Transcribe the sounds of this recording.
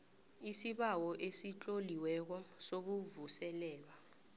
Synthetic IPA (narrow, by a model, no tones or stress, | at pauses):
isiɓawɔʔesit͡ɬʼoliwɛk̬ɔsok̬uvusɛlɛːlwa